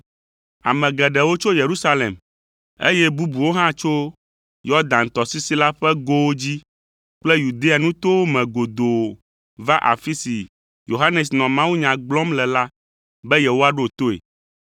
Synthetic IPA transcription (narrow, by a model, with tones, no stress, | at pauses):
a̰˨mɛ̃˨ɡɛ˨ɖɛ˨wo˦t͡ʃo˦je˨ɾu˦sa˦lḛ˨m | ḛ˦jɛ˦bu˦bu˨wo˦ɦã˦t͡ʃo˦ | jɔ˦d̪ã˨ŋ̩˨t̪ɔ˨si˦si˦la˦ɸɛ˦ɡo˦wo˦d͡ʑi˦ | k͡plɛ˦ju˨d̪e˦a˨nũ˦t̪o˦wo˦mɛ̃˨ɡo˨d̪o˨o˨ | va˦ʔa̰˨fi˦si˨ | jo˨ɦa˦nɛ˨s̬nɔ̃˨mã˦wu˦ɲã˨ɡ͡blɔ˦mlɛ˨la˦ | bɛ˦jɛ˨wo˦a˨ɖo˦˨t̪o˦ḛ˨